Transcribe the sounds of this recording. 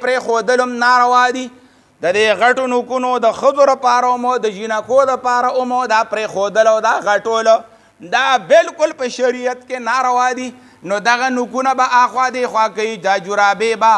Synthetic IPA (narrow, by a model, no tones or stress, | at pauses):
pɾexod̪əlʊmnaɾawɑd̪i | d̪əd̪eɣaʈonukunod̪əxəboɾəpɑɾaʊmod̪əd͡ʒinakod̪əpɑɾaʊmod̪apɾexod̪əlawd̪aɣaʈolo | d̪abɪlkʊlpəʃaɾijat̪kenaɾawɑːd̪i | nod̪aɣanukunabaʔaxwaːd̪exwakajid͡ʒad͡ʒuɾabeba